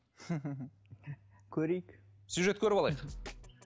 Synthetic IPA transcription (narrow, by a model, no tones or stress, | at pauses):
kʲʰɵɾejɪksjuʒe̞t̪kʲʰɵɾɪpɑlˠɑjəq